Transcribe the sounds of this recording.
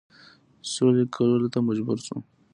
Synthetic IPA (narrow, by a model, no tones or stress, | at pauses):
solekʰalolot̪amad͡ʒbuɾsṵ